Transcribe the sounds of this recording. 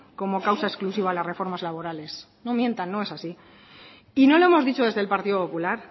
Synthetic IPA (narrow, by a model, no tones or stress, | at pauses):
ko̞mo̞kawsaesklusiβaːlazre̞fo̞ɾmazlaβo̞ɾale̞s | no̞mjẽ̞nt̪anːo̞esasi | ino̞loemo̞zðit͡ʃo̞ðe̞zðe̞lpaɾt̪iðo̞po̞pulaɾ